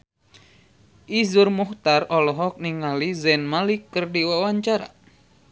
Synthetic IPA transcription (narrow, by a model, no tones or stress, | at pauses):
ʔizurmuht̪arɔlɔɦɔk̚niŋalizɛnmalikːərdiwawaɲt͡ʃaɾa̰